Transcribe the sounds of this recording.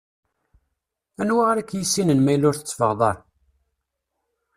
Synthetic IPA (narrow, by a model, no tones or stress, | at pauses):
ænwaʁɾækːjisːinənmæjlʊɾθə̥t͡sːfə̰ʁðˤɑɾ